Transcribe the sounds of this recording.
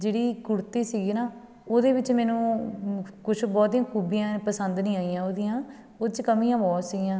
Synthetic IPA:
d͡ʒeːɽiːkʊɽt̪iːsiːɡiːnaː | oːd̪eːʋɪt͡ʃmɛːnũː | kʊt͡ʃʰbɔːt̪iːãːkʰuːbijãːpəsənd̪nĩːaːijãːoːd̪ɪjãː | oːd̪t͡ʃkəmĩːjãːbɔːt̪siɡijãː

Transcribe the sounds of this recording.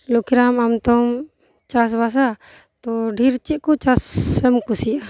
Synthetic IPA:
lɔkiɾamamt̪ɔm | t͡ʃas̬bas̬a | t̪ɔɖʱiɾt͡ʃiʔ̪̚kɔt͡ʃasɛmkusiʔa

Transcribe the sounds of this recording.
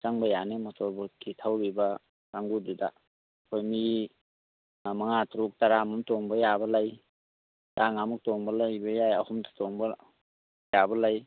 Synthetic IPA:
t͡ʃaŋbɐjanematɔɾbɔkitʰawɾibɐ | saŋɡududa̰ | kʰojmi | maŋatɾuk̚taɾamumtɔŋbɐjabɐlaj | taŋamuk̚toŋbɐlajbɐjajahumdḁtɔŋbɐ | jabɐlaj

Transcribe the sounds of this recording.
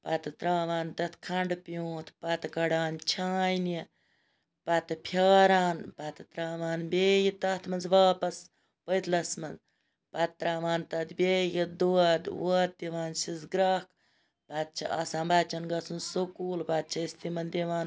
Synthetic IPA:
pɐt̪t̪ɾaːʋaːnt̪ɐt̪ʰkʰɐɳɖpjoːt̪ʰpɐt̪kɐɽaːnt͡ʃʰaːjni | pɐt̪ɨpʰjaːɾaːnpɐt̪t̪ɾaːʋaːnbeːjit̪ɐt̪ʰmɐnzʋaːpɐs | pəjt̪ʰlɐsmɐnz | pɐt̪̚t̪ːɾaːʋaːnt̪ɐd̪bʲeːjid̪uɐd̪wt̪̚t̪ːiʋaːnsizɡɾɐk | pɐt̪̚t͡ʃʰɐ̰ɐsãːbat͡ʃɐnɡɐsunsukuːlpɐt̪̚t͡ʃʰɐist̪imɐnd̪iʋaːn

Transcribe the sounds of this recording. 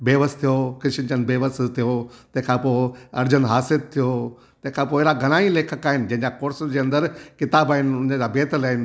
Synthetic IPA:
beːʋəst̪ʰijokɪʃɪnt͡ɕənbeːʋəst̪ʰijot̪ɐ̃ɦɪ̃kʰãpoːɐɾd͡ʑənɦaːsɪlt̪ʰijo | t̪ɐ̃ɦkʰãpoːɪɾaɡʱɐɽ̃aːĩleːkʰəkaːɦɪnɪd͡ʑɐ̃ɦɪ̃ɲd͡ʑakoːɾsəd͡ʑeːɐ̃nd̪əɾkɪt̪aːbaːɦɪnʊnəd͡ʑabeːt̪əlaːɦɪnɪ

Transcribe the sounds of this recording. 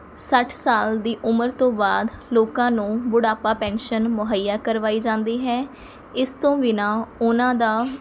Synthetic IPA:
səʈʰsaːld̪iːʔʊməɾt̪õːbaːd̪loːkãːnũːbʊɽaːpaːpɛ̃ːnʃənmʊɦəjːaːkəɾʋaːiːd͡ʒãːnd̪iːɦɛː | ɪst̪õːʋinãːʊnãːd̪aː

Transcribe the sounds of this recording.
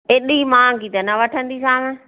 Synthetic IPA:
eːɗimãːkit̪ɐnɐʋɐʈʰə̃nd̪isãːmẽ

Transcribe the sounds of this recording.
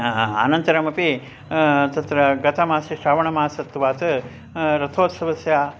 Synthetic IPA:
a̰ːnɐnt̪ɐɾɐmɐpi | t̪ɐt̪ɾɐɡɐt̪ʰɐmaːsiʃɾaːʋɐɳɐmaːsɐt̪ːʋaːt̪ɨ | ɾɐt̪ʰoːt̪sɐʋɐsjaː

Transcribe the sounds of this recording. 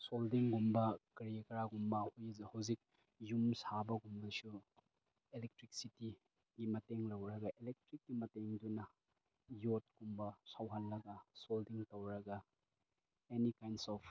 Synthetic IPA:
soldiŋɡumbɐkɐɾijɐkɐɾaɡumbɐhhawzik̚ | jumsabɐɡumbɐsu | elek̚tɾik̚siti | ɡimɐteŋlɐwɾɐɡɐʔelek̚tɾik̚ːimɐteŋdunɐ | jot̚ɡ̥umbɐsawɦanːɐɡɐsoldiŋtowɾɐɡɐ | enikajnsɔpʰ

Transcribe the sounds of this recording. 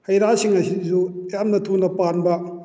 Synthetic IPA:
hɐjɾasiŋɐsizujamnɐtʰunɐpanbɐ

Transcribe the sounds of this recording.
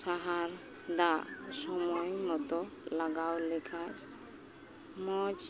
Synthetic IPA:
saɦaɾ | d̪asɔmɔjmɔt̪ɔ | laɡawlekʰaj | mɔd͡ʒ

